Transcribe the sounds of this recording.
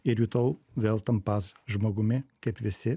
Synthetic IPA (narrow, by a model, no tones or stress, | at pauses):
eɾjut̪owvɛlˠt̪ɐmpazʒmɐɣumekepd̪ese